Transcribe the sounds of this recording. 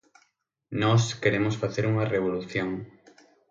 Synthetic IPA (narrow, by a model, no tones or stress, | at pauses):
nɔskeɾemosfaθeɾuŋɐreβoluθjoŋ